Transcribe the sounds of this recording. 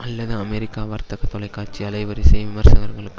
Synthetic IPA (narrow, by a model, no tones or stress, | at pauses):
ɐlːɐðɨɐmeːɾikʲːaːʋɐːrt̪ɐkːet̪oɭɐjkːaːrt͡ɕːiɐlɐjʋɐɾisɐjʋʋimɐrsɐɣɐrɣɐɭk